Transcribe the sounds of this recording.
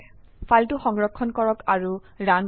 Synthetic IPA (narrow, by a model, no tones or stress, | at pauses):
fʰaltʊxɔŋɹɔkʰːɔnkɔɹɔkaɹu | ɹan